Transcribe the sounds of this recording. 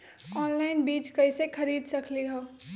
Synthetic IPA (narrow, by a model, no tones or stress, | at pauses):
ɔːnlaːɪnbiːt͡ʃkɐisexʰɐɾiːd̪sɐkʰliɦoː